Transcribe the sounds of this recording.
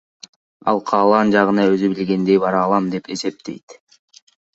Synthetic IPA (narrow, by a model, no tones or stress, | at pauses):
ɑ̰lˠqʰɑːlˠɑnd͡ʒɑʁɯnɑøzybilɡe̞nd̪e̞jbɑɾɑːlˠɑmd̪e̞pe̞se̞p̚t̪e̞̰jt̪